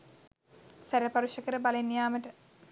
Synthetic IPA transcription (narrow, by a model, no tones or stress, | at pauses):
sæɾəpaɾuʃəkəɾəbalenːjaːməʈə